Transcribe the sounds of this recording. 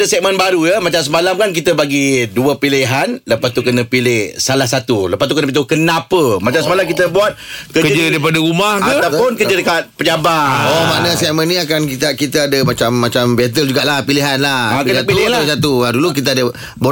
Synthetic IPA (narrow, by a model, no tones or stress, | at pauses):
dəsɛk̚mə̃nbaɾujəmat͡ʃams̬əmalamkankit̪əbaɡiduəpiliɦanləpast̪ukənəpilɪhsalahsat̪uləpast̪ukənəpit̪ukənapəmat͡ʃamsəmalamkit̪əbuat̪̚kəkəd͡ʒədaipadəɾumahkt̪awpʊnkəd͡ʒədəkat̪̚pəd͡ʒabaomaʔnəsɛk̚mənːĩakankit̪akit̪əadəmat͡ʃamːat͡ʃambɛt̪̬əld͡ʒuɡaʔlahpiliɦanlaakənatpilɪlasat̪uaduluk̬it̪̬əadə | bo